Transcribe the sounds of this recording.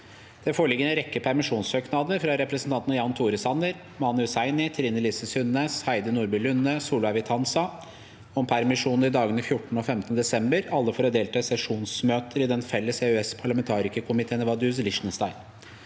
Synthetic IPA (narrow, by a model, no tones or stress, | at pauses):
d̪̥ɛfoːɭɪɡːənəɾɛkːəpʰæɾmɪʂuːnsøːknɑd̪əɾfɾɑɾɛpɾəsn̩t̪ɑnt̪njɑnt̪ʰuːɾəsɑnd̪əɾ | mɑnʉsæɪnɪt̪ʰɾiːnəliːsəsʉnːeːshæɪd̪ənuːɾbʉlʉnːəsuːlʊæʋɪt̪ʰɑnsɑ | ɔmpʰæɾmɪʂuːnɾɪd̪ɑːɡənəfjʊʈːɳ̩ɔfɛmt̪ənəd̪ɛsɛmbəɾɑlːəfoːɾɔd̪eːlt̪ʰɑːsɛʂuːnsmøːt̪ʰəɾɪd̪ɛnfɛlːəseʉɛspʰɑɭɑmɛnt̪ʰɑːɾɪkəkʰʊmɪt̪ʰeːnʋɑd̪ʉs̬lɪʂnəst̪ɑɪn